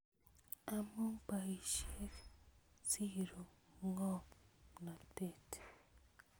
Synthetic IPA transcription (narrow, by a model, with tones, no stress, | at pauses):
a˨mu˦ŋpa˨i˨ʃe˦k | si˦ɾo˨ŋɔ˦na˨te˦˨t